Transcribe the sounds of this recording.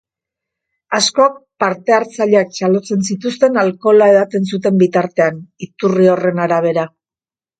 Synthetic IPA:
asko̞ak̚paɾt̪e̞aɾt͡saʎeak̚t͡ʃalo̞t͡se̞nsit̪ust̪e̞nalko̞lae̞ðat̪e̞ns̬ut̪e̞mbit̪aɾt̪e̞anit̪urio̞re̞naɾaβ̞e̞ɾa

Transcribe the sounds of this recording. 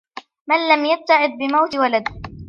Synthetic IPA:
manlamjab̚t̪ːaʕɪd̪̚bɪmawt̪walad̪

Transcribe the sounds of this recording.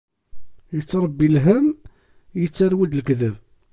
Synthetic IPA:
jət͡sːɾˤəbːilɦəm | jət͡sːaɾwəd̪lkðæv

